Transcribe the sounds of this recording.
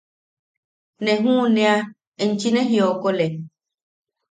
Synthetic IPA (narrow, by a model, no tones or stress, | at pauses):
nɛ̃ɦũnɛ̃a | eɲ̩t͡ʃinɛ̃ɦiokolɛ